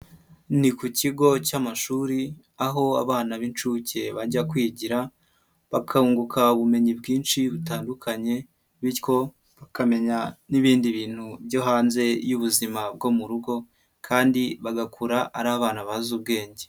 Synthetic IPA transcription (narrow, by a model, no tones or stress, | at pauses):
nikuciɡo̞camaʃuːɾi | aɦo̞a̰βaːnaβint͡ʃuːce̞βaɟakwiːɟiɾa | βakʰauːŋɡukʰauβume̞ɲibɡiːnʃiβutaːndukʰaɲe̞ | βiko̞ | βakame̞ɲaniβiːndiβiːn̥hubjɟo̞ɦaːnze̞juβuzimab̚ɡo̞muɾuɡo̞ | kʰaːndiβaɡakʰuɾaʔaɾaːβaːnaβazub̚ɡe̞ːɲɟe̥